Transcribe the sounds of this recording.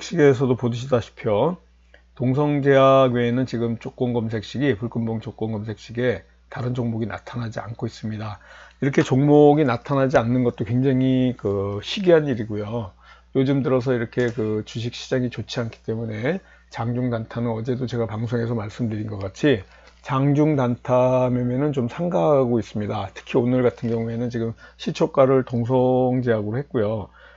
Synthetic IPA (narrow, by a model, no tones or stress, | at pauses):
k̚ɕ͈iɡe̞s̬ʰʌdopodɯɕ̬ʰidaɕʰi̥pʰjo | toŋs̬ʰʌŋd͡ʑeaɡjoenɯnt͡ɕiɡɯmt͡ɕ͈ʰok͈ʌŋɡʌms̬ʰe̞k̚ɕ͈iɡipuɭk͈ɯmboŋt͡ɕok͈ʌŋɡʌms̬ʰe̞k̚ɕ͈iɡe̞ | taɾɯnd͡ʑoŋmoɡinʔa̰tʰanad͡ʑia̰nkʰois͈ɯmɲidaiɾʌkʰe̞t͡ɕoŋmoɡinatʰanad͡ʑianːɯnɡʌt̚t͈okweŋd͡ʑaŋikɯɕʰiɡiɦaniɾiɡojojod͡ʑɯmdɯɾʌs̬ʰʌiɾʌkʰe̞kɯt͡ɕuɕ̬ʰik̚ɕ͈id͡ʑaŋit͡ɕot͡ɕʰiɦankʰi̥t͈e̞mune̞ | t͡ɕaŋd͡ʑuŋdantʰanɯnʌd͡ʑe̞dot͡ɕe̞ɡapaŋs̬ʰoŋe̞s̬ʰʌmaɭs͈ɯmdɯɾinɡʌk͈at͡ɕʰi | t͡ɕaŋd͡ʑuŋdantʰamemjʌnɯnt͡ɕomsʰaŋɡaɦaɡois͈ɯmɲidatʰɯ̥kʰionɯɭɡatʰɯnɡjʌŋue̞nɯnt͡ɕiɡɯmɕʰit͡ɕʰok͈aɾɯɭtoŋs̬ʰʌŋd͡ʑiɦaɡɯɾohe̞t̚k͈ojo